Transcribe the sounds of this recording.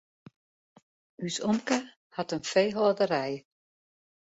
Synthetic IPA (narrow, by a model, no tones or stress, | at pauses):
ysɔmkə | hatənfejɦɔːdəɾɛj